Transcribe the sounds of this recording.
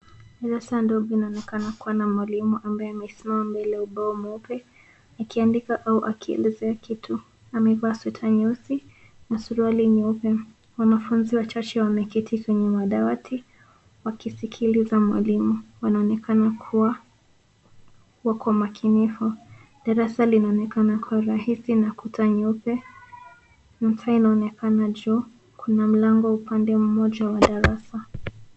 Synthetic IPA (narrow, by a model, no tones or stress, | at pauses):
alasandɔbinaɔnɛkanakuwanamwalimuʔambaɛamɛisimamambɛlɛauɓaɔmupɛ | akiandikaʔauʔakʰiɛ̰lɛzɛakʰitʰu | amɛvaswɛtʰaɲɛsi | nasuɾualiɲɛupɛ | wanafunziwat͡ʃat͡ʃɛwamɛkɛtʰikwɛɲɛmaɗawatʰi | wakisikʰilizamwa̰limuwanaɔnɛkʰanakʰuwa | wakamakʰinifu | ɗaɾasalinaɔnɛkanakʰuwaɾahisinakutʰaɲɔpɛ | nitainaɔnɛkʰanad͡ʒɔ | kʰunam̩laŋɡɔupandɛm̩mɔʄawaɗaɾasa